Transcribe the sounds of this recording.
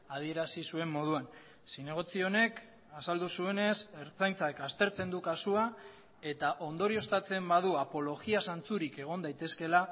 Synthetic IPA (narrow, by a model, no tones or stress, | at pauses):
að̞ie̞ɾasisue̞mːo̞ð̞uan | sine̞ɣ̞o̞t͡sio̞ne̞k | asald̪usue̞ne̞se̞ɾt͡sajnt͡sakast̪e̞ɾt͡se̞nd̪ukasua | e̞t̪aʔo̞nd̪o̞ɾio̞st̪at͡se̞mbað̞uapo̞lo̞ɣiasant͡suɾike̞ɣ̞o̞nd̪ajt̪e̞ske̞la